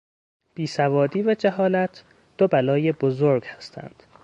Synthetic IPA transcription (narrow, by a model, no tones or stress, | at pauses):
b̥iːsævɒːd̪iːvæd͡ʒæɦɒːlæt̪ʰ | d̪̥obælɒːjebozoɾɡ̥hæst̪ʰæ̰nd̪̥